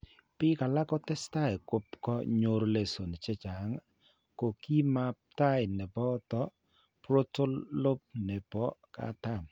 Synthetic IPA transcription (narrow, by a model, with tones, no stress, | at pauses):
pɪ˦ka˨la˦kɔ˦tɛ˦sta˦ɪ˨kʊ˦pkɔ˦ɲo˨ɾle˨so˨n˨t͡ʃɛ˦t͡ʃa˨˦ŋ | ko˨ki˦ma˦p̚ta˦ɪ˨nɛ˨pɔ˦tɔ˦ | pɾo˦to˦llo˦p̚nɛ˨pɔ˦ka̰˨ta˦˨m